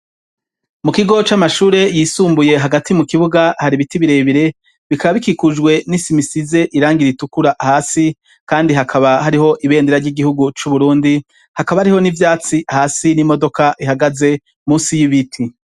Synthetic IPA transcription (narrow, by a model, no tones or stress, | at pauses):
mukiɡo̞t͡ʃamaʃuːɾe̞jiːsuːmbuje̞ɦaɡatimukiβuɡahaɾiβitiβiɾe̞βiɾe̞ | βikaβaβikikuʒɡwe̞nisimisize̞ʔiɾaːŋɡiɾitukuɾahaːsi | kaːndiɦakʰaβahaɾiɦo̞ʔiβe̞ːndeɾaɾɟiɡihuɡut͡ʃuβuɾuːndi | hakaβaaɾiho̞nivjaːt͡sihaːsinimo̞do̞kaʔiɦaɡaze̞ | muːsijiβitʰi